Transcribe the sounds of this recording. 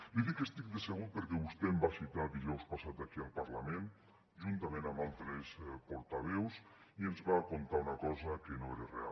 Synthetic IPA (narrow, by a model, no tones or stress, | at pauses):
diðikest̪ik̚d̪eseɣupeɾkɛβust̪embasit̪ad̪iʒɔwspasat̪akialˠpaɾlamẽn | ʒunt̪amẽnamalˠt̪ɾespoɾt̪aβɛws | ienzβakont̪aunakɔzakenoeɾerḛa̰l